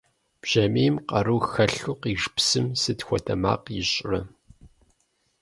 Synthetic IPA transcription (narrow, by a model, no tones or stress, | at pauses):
b̥ʒ̥ɐmeːmqɐruːxɐɬuqiʒpsɨmsɨtxʷɔtʰɐma̰ːqjɪɕʼrɐ